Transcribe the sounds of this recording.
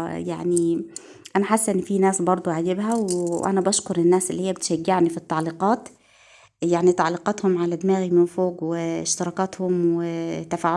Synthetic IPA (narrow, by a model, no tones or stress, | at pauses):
ja̰ʕni | ʔanaħasːʔɪnːfinaːsbɑɾˤd̪ˤuʕad͡ʒɪbɦawʔa̰nabaʃkʊɾˤɪnːaːsʔɪlːiːhijːabɪt̪ʃaɡːɪʕnifit̪ːɑʕliːqɑːt̪ | jaʕnit̪ɑʕliːqɑt̪hʊmʕalad̪maːɣimɪnfoːɡwɪɪʃt̪ɪɾˤɑːkɑt̪hʊmwɪt̪afaːʕ